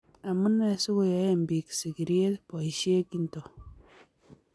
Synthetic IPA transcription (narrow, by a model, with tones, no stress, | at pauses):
a˨mɨ˦ne˦˨su˦ko˦ja˨˦je˦m̩˨bi˨ksi˨ki˨ɾi˦e˦tpɔ˨i˨ʃe˦ki˦n̩˨to˨